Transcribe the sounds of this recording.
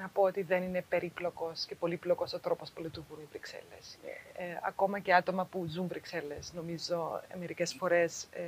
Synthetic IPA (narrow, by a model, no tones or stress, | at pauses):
nɐpo̞ot̪iðe̞nine̞pe̞ɾiplo̞ko̞sce̞po̞liplo̞ko̞sot̪ɾo̞po̞spulit̪uɾɣunivɾiksḛlḛs | ɐ̰ko̞mɐce̞ɐt̪o̞mɐpuzunvɾikse̞le̞sno̞mizo̞me̞ɾice̞sfo̞ɾe̞s